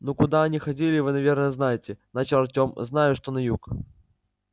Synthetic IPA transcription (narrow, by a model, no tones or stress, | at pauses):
nokʊd̪aɐnʲixɐdʲilʲɪvɨnɐvʲe̞rnəjəznajɪtʲɪnat͡ɕɐrtʲomznajʊʂt̪onɐjuk